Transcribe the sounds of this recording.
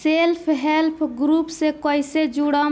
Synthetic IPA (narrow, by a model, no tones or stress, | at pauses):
seːlpʰɦeːlpʰɡɾuːpseːkoːɪseːd͡ʒuːɽaː